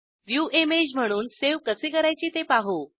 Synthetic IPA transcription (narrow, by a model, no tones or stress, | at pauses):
ʋjuemed͡ʑm̤əɽ̃uːnseʋkəsekəɾajt͡ɕiːt̪epaɦo